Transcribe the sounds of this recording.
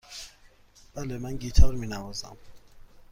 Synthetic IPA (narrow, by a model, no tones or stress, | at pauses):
b̥ælemænɟiːt̪ʰɒːɾmiːnævɒːzæ̰m